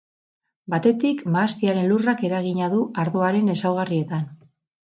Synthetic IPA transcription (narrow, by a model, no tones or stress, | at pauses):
bat̪e̞t̪ikmaːst̪iaɾe̞nlurake̞ɾaɣ̞iɲaðuaɾðo̞aɾe̞ne̞sawɣarie̞t̪an